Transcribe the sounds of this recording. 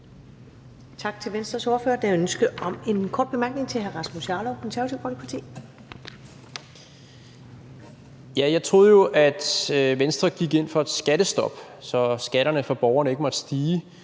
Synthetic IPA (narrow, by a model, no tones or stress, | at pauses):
t͡sʰɑ̈ɡ̥̚t͡sʰe̝lʋensd̥ʁɐsɔːfø̰ːɐd̥æjønsɡ̥əɒ̽me̝nkʰɒ̰ːd̚b̥e̝mæɐɡ̥ne̝ŋt͡sʰe̝lɦæɐʁɑ̈smusɑ̈ːlɒʊkʰɒ̽nsæɐɐt͡sʰiʊ̰fʰɒli̥pʰɑ̈t͡sʰḭː | jæjɑ̈ɪt͡sʰʁo̝ːð̰ˠjo̝ʔæd̥ʋensd̥ʁɐɡ̥iɡ̥e̝n̰fɒ̽ed̥sɡ̥æd̥əsd̥ɒ̽b̥ | sɒ̽sɡ̥æɾ̥ɐnəfɒ̽b̥ɒʊɐnəe̝ɡ̥əmɒ̽d̥sd̥iː